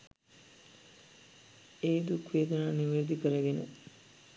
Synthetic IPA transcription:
eːd̪ukʋejːd̪ɐnaːniʋeɾud̪ikəɾəɡenə̰

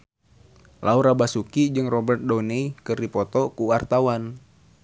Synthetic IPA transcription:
lauɾabasukid͡ʒɨŋrɔbɛrt̪̚dɔnɛikɨrdipɔt̪ɔkuwart̪awan

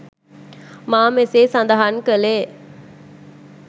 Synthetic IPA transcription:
maːmeseːsand̪ɐɦankəleː

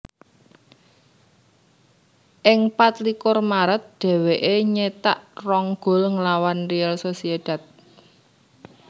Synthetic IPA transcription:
ʔɪŋpat̪likʊrmaɾət̪̚ɖ̪̥ɛ̤weʔeɲet̪aʔrɔŋɡ̥o̤lŋəlawanrialsosied̥a̤t̪̚

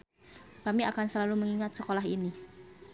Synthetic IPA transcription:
b̥amiʔakansəlaluməŋiŋat̪̚səkolaɦini

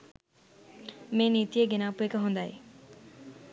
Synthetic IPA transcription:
meːnit̪ijeɡenaːpuekɐɦond̪aːj

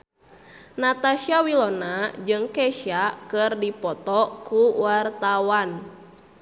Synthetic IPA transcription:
nat̪aʃiawilɔnad͡ʒɨŋkɛʃiakɨrdipɔt̪ɔkuwart̪awan

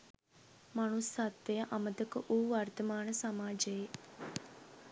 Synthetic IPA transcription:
manusːat̪ːejəʔaməd̪əkəʔuːʋart̪əmaːnəsamaːd͡ʒəje

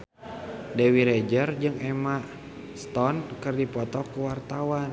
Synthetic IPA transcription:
dɛwiɾɛd͡ʒərd͡ʒɨŋɛma | st̪ɔnkɨrdipɔt̪ɔkuwart̪awan

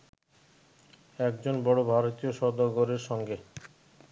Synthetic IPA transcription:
ɛkd͡ʑonbɔɽobʱaɾot̪ijoʃɔd̪oɡoɾeɾʃɔŋɡe

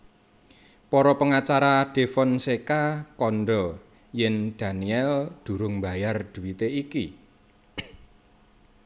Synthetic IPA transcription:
pɔɾɔpəŋat͡ʃaɾad̪̥e̤fɔnsekakɔnɖɔ | jɛnd̪̥a̤niɛld̪̥ṳɾʊŋmba̤jard̥ṳwit̪eiki

